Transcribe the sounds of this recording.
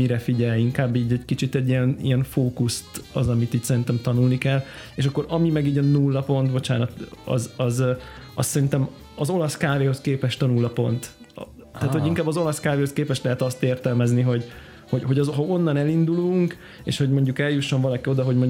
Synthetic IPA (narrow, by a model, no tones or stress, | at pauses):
miɾɛfiɟɛliŋkaːbːiːɟɛɟkit͡ʃit̪ɛɟːiɛnḭɛɱfoːkust̪ɒzɒmit̪iːcsɛɾint̪ɛmt̪ɒnulnikɛleːʃɒkːo̞ɾɒmimɛɡiːɟɒnulːɒpo̞nt̪bo̞t͡ʃaːnɒt̪ɒ̰zɒzɒssɛɾint̪ɛm | ɒzo̞lɒskaːveːho̞skeːpɛʃt̪ɒnulːɒpo̞̰nt̪ | t̪aːt̪ho̞ɟiŋkaːbːɒzo̞lɒskaːveːhoskeːpɛʃt̪lɛɦɛt̪ɒst̪eːrt̪ɛlmɛzniɦo̞ɟ | ho̞ɟɦo̞ɟɒzɦɒo̞nːɒnɛlind̪uluŋk | ḛːʃho̞ɟmo̞ɲɟukɛljuʃːo̞ɱvɒlɒkio̞d̪ɒɦo̞ɟmo̞ɲ